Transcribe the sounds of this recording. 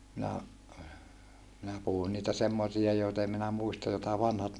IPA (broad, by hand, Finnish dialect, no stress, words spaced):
minæ minæ puhun niːtæ semːosiɑ joitɑ em minæ muistɑ jotɑ ʋɑnhɑt